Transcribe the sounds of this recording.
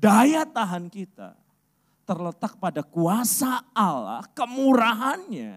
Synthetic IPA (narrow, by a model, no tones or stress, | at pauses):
dajat̪aɦankit̪a̰ | t̪ərlət̪ak̚padakuasaːla̰hkəmuɾaɦanɲa̰